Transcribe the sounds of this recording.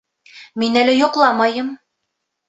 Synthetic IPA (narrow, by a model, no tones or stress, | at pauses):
minælæjŏqlˠɑmɑjɤm